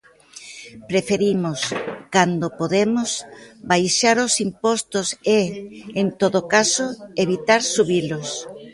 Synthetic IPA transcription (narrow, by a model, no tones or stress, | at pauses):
pɾefeɾimʊskand̪opoðemʊsbajʃaɾosimpɔst̪ʊseːnt̪oðokasoʊeβit̪aɾsuβilʊs